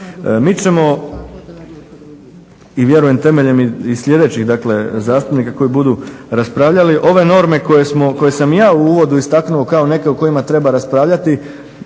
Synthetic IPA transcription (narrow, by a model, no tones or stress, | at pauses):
miːt͡ʃe̞mo̞ | iʋje̞ɾuje̞mt̪e̞me̞ʎe̞miisʎʲe̞d̪e̞t͡ɕiɣd̪akle̞zaːst̪upnikako̞jibud̪uɾaspɾaːʋʎaliʔo̞ʋe̞no̞ɾme̞kojesmo̞ko̞je̞samjaːuuːʋo̞d̪uist̪aknuo̞kao̞ne̞ke̞uko̞imat̪ɾe̞baɾaspɾaːʋʎat̪i